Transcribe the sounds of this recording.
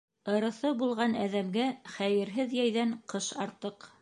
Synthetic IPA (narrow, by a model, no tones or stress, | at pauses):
ɤ̆ɾɤ̆θɤbulˠʁɑnæðæmɡæχæjɘ̆ɾɦɘðjæjðæɴqɤʃɑɾt̪ɤq